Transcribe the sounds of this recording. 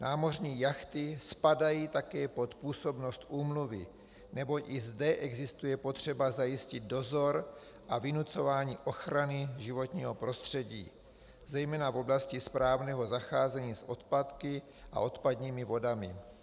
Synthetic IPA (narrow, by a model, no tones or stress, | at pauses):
naːmo̞rɲiːjaxt̪ɪspadajiːt̪akɛːpo̞t̪puːso̞bno̞st̪ʔuːmluvɪ̰ | nɛbo̞cʔɪzdɛʔɛɡzɪst̪ujɛpo̞t̪r̝̥ɛbazajɪscɪd̪̚do̞zo̞ɾ | ʔavɪnut͡so̞vaːɲiːʔo̞xɾanɪʒɪvo̞t̪ɲiːɦo̞pɾo̞st̪r̝̥ɛɟḭː | zɛjmɛːnavo̞blascispɾaːvnɛːɦo̞zaxaːzɛɲiːsʔo̞t̪pat̪kɪ | ʔa̰ʔo̞t̪pad̪ɲiːmɪvo̞damɪ̰